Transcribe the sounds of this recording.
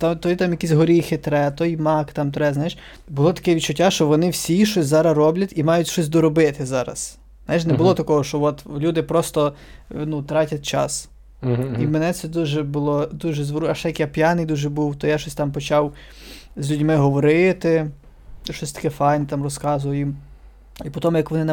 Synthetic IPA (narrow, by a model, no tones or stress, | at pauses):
t̪ɑmt̪ɔjit̪ɑmjɐkʲisʲɦɔɾʲijxɪt̪ɾɛt̪ɔjmɑkt̪ɑmt̪ɾɛznajʃ | bʊlˠɔt̪ɐ̥kɛʋʲitt͡ʃʊtʲːaʃt͡ʃɔʋɔnɪwsʲiʃɔsʲzɑɾɐrɔblʲɐtʲimɑjʊtʲʃɔsʲd̪ɔɾɔbɪt̪ɪzɑɾɐ̰s | zajʃ̬nɛbʊlˠɔt̪ɐkɔɦɔʃt͡ʃɔʋɔt̪lʲud̪ɪpɾɔst̪ɔnut̪ɾɑtʲɐt̚ʲt͡ʃɑ̰s | imɛnɛt̪sɛd̪uʒɛbʊlˠɔd̪uʒɛzʋɔɾuɐʃɛjɐkjapʲjanɪjd̪uʒɛbuwt̪ɔjaʃɔsʲt̪ɑmpɔt͡ʃɑwzʲlʲudʲmɪɦɔʋɔɾɪt̪ɪ | ʃɔsʲt̪ɐ̥kɛfɑjnɛt̪ɑmrɔskɑzʊjɐjim | ipɔt̪ɔmjɐkʋɔnɪn